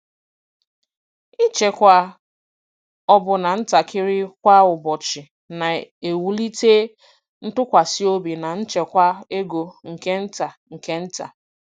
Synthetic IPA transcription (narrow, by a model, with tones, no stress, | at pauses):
i˦t͡ʃe˨kʷa˨ | ɔ˦bʊ˨na˨n̩˦ta˨kɪ˦ɾɪ˦kʷa˦ʊ˨bɔ˨t͡ʃɪ˨ | na˨e˨wu˨li˦teː˦ | n̩˦tʊ˦kʷa˨sɪ˦o˦bi˨na˨n̩˦t͡ʃe˨kʷa˦e˦ɡo˨ŋ̩˨ke˦n̩˦ta˨ŋ̩˨ke˦n̩˦ta̰˨